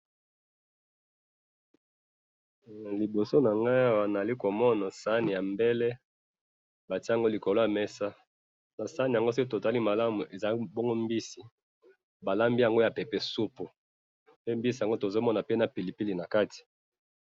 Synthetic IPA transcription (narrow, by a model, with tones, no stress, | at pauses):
li˨bo˨so˦na˨ŋɡa˦i˦˨wa˨n˨a˨li˦ko˨mɔ˦na˨sa˦ni˨ja˨mbɛ˦lɛ˦ | ba˨ti˦a˨ŋɡo˦li˨ko˨lo˦ja˨mɛ˦sa˦ | na˨sa˦ni˨a˨ŋɡo˦sto˨ta˦li˦ma˨la˦mu˨e˨za˨˦bɔ˦ŋɡo˦mbi˦si˨ | ba˨la˦mbi˦ja˨ŋɡo˦ja˨pe˨pɛ˨su˦pu˨ | pe˦mbi˦si˨a˨ŋɡo˦to˨zo˦mɔ˦na˨pe˦na˨pi˨li˨pi˦li˨na˨ka˦ti̥˨